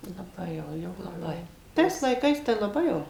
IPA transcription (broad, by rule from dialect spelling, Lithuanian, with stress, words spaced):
lˠɐˈbɐɪ jɛʊ jɛʊ lˠɐˈbɐɪ ˈtɐɪs lˠɐɪˈkɐɪs tɐɪ lˠɐˈbɐɪ jɛʊ